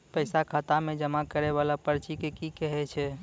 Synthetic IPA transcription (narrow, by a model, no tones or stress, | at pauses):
pəɪsakʰat̪amed͡ʒəmakəɾɛβalapəɾt͡ʃikekikɛɦɛt͡ʃʰɛ